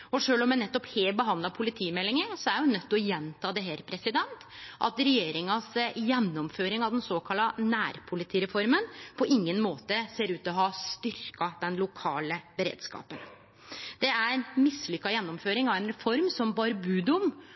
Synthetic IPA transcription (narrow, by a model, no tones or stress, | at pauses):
ɔʂøːlɔmɛnɛt̪ːɔpheːlbəɦɑnd̪lɑpʰʊlɪt̪ʰiːmɛlːɪŋəsɔæɾjʊnœt̪ːɔjɛnt̪ʰɑːd̪ɛɦæːɾpʰɾɛsɪd̪ɛnt̪ʔɑ̰t̪ɾɛjeːɾɪŋɑsjɛnːɔmføːɾɪŋɑʋd̪ɛnsoːkʰɑlːɑnæːɾpʰʊlɪt̪ʰiːɾɛfɔɾmənpʰɔʔɪŋːənmoːt̪əseːɾʉːt̪ɔɦɑst̪ʏɾkɑd̪̥ɛnlʊkʰɑːləbəɾḛːd̪skɑ̰ːpən | d̪̥ɛæɾɛɪnmɪsːlʏkːɑjɛnːɔmføːɾɪŋɑʋɛnɾɛfɔɾmsɔmbɑɾbʉːd̪ʊm